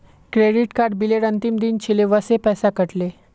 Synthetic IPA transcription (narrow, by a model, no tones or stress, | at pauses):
kɾeɽiʈkaɾɖ̚bileɽənt̪imd̪int͡ɕʰeleʋəsepɛsakəʈle